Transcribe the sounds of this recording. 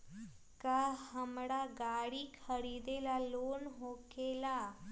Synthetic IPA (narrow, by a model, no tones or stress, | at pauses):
kahəmɽaɡaɽiːkʰəɽid̪elalonɦokela